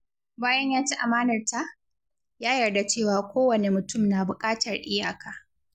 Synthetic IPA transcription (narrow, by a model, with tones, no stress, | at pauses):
baː˦jɐ˦ɲjaː˦t͡ʃi˦ʔa˨maː˦nɐ˨rta˦ʔ | jaː˦jɐ˨rda˨t͡ʃeː˦˨waː˨kʷoː˦wɐ˨ne˨mʊ˨tʊ˦˨mnaː˨bʊ˨kʼaː˦tʰɐ˨rʔɪ˦jaː˨kaː˨